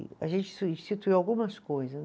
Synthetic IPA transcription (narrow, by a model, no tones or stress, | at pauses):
ɐ̰ʒẽnt͡ʃɪ̥sĩʃtit̪uiawɡũmɐskojzɐ